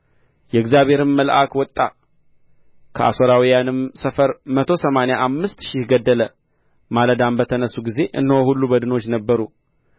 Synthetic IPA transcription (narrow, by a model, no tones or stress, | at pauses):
jɛɨɡzjaβe̞ɾɨmːəlʔa̰kwɔt̪ʼːa | kʰəa̰so̞ɾawijanɨmsəfəɾmət̪ʰo̞səmanejaʔamːɨst̪ʃɪhɡəd̪ːələ | maləd̪ambət̪ʰənəsːuɡize̞ʔɨ̰nːowhulːubəd̪ɨno̞t͡ʃːnəbːəɾu